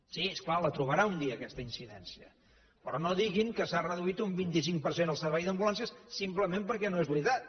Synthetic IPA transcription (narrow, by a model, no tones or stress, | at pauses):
siesklalət̪ɾuβəɾaund̪iəːkɛst̪əinsiðɛnsiə̰ | pɾɔnoðiɣiŋkəsarəðuit̪umbint̪is̬iŋkpəɾsenəlˠsəɾβɛjðəmbulansjəssimpləmempəɾkɛnoezβɾit̪at̪̚